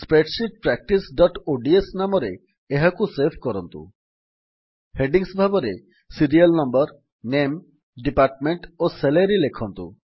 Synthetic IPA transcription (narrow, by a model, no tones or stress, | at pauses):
spɾeʈʃip̚pɾɛk̚ʈisɖɔʈoɖiesnamɔɾe | eɦakusepʰkɔɾɔnt̪ṵ | heɖiŋsbʱabɔɾe | siɾialnɔmbɔɾ | nem | ɖipaɾʈmeɳʈoselaɾilekʰɔnt̪ṵ